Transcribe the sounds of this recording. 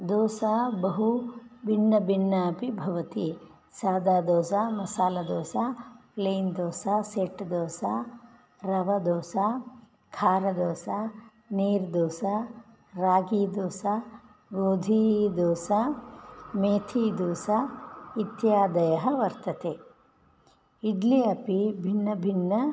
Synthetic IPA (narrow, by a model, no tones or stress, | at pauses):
d̪oːsabɐɦubʱiɳːɐbiɳːɐpibʱɐʋɐt̪i | saːd̪aːd̪ɔːsamɐsaːlɐd̪oːsapleːnd̪ɔːsaseːʈd̪ɔːsa | ɾɐʋɐd̪ɔːsa | kʰaːɾɐd̪ɔːsa | niːɾd̪ɔːsa | ɾaːɡiːd̪ɔːsa | ɡoːd̪ʱid̪ɔːsa | meːt̪ʰid̪oːsɐit̪jaːd̪ɐjɐɦɐʋɐɾt̪ɐt̪eː | iɖliɐpibʱinːɐbʱinːɐ